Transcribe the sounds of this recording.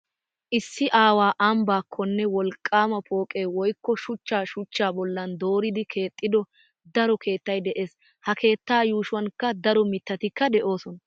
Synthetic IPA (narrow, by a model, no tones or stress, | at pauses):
ʔɪsːɪʔaːwaːʔɐmbaːkʰːɔnːɛwɔlkʼːaːmɐpo̞ːkʼe̞ːwɔjkːɔʃʊt͡ʃːaːʃʊt͡ʃːaːbɔlːɐnd̪o̞ːɾɪd̪ɪkʰe̞ːt̪ʼːɪd̪ɔ | d̪ɐɾɔkʰe̞ːt̪ːɐjd̪ɛʔe̞ːs | hɐkʰe̞ːt̪ːaːjuːʃʊwɐnkːɐd̪ɐɾɔmɪt̪ːɐt̪ɪkːɐd̪ɛʔo̞ːsɔnɐ